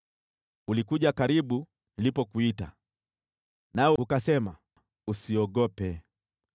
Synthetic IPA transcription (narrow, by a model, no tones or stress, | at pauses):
ulikuʄakaɾiɓu | nilipɔkuita̰ | naɔukasɛma | usiɔɠɔpɛ